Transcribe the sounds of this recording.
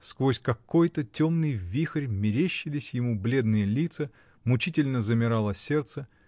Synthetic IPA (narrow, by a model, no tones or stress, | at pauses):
skvosʲkɐkːo̞jt̪ətʲo̞mnɨjvʲixərʲmʲɪɾʲeɕːɪlʲɪsʲjɪmublʲe̞d̪nɨjəlʲit̪sə | mʊt͡ɕitʲɪlʲnəzəmʲɪɾalˠəsʲert̪sə